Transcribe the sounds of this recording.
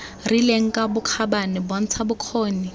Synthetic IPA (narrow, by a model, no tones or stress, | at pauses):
rileŋ̩kʼabʊkʰabanɪbon̩t͡sʰabʊkʰoːni